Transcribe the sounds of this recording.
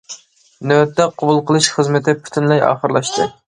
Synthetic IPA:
nøt̪ːɛqʰobulˠqʰəlˠɨʃχəzmɪt̪ʰɪpʰy̥t̪ʰɪnlɛjɑ̰ːχəɾlˠɑʃt̪ɨ̰

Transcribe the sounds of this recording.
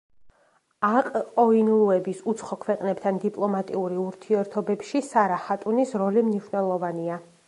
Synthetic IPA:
aqʼqʼɔinlˠuɛbisut̪sʰχɔkʰwɛqʼnɛpt̪ʰand̪ipʼlˠɔmat̪ʼiuɾiuɾt̪ʰiɛɾt̪ʰɔbɛpʃisaɾaχat̪ʼunisɾɔlimniʃnɛlˠɔvania

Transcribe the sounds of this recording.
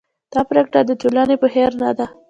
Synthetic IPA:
d̪̥ɑpɾekʈad̪ət̪olɑnepəheɾnad̪a

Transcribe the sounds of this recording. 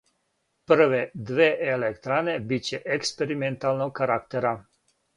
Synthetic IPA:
pəɾʋɛd̪ʋeːʔelɛkt̪ɾaːnebit͡ʃɛʔekspɛɾiment̪aːlnɔkaɾakt̪ɛɾa

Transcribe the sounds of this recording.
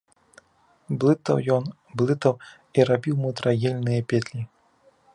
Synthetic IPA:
blˠɨt̪ɐ̰wjɔn | blˠɨt̪ɐw | iɾabʲiwmut̪ɾaɣʲɛlʲnɨjɐpʲɛt̪lʲi

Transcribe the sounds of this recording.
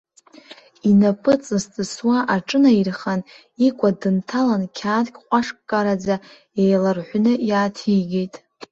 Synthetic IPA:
inapʼɨt͡sʼɨstʼɨswaʔaʈ͡ʂʼɨnairχan | ikʷʼadɨntʰalankʲʰaːdkʲʼqʷʼaʂkʼkʼaɾad͡za | ejlarħʷnɨjaːtʰiɡʲejtʼ

